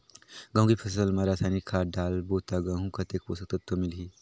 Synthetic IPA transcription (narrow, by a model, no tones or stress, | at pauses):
ɡɐ̃w̃ɡipʰəs̬əlmaɾasanikʰaːɾɖaːlbot̪aɡaɦũkɐt̪ekbosək̚t̪ət̪ʰːomilɦi